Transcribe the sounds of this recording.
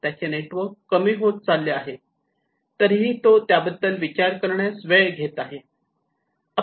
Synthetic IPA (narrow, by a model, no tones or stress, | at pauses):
t̪jat͡ɕeneʈʋəɾkːəmiːɦot̪̚t͡salːeaɦe | t̪əɾɦiːt̪ot̪jabəd̪ʱːəlʋit͡ɕaɾkəɾɳjasʋəjɡʱet̪aɦe | ə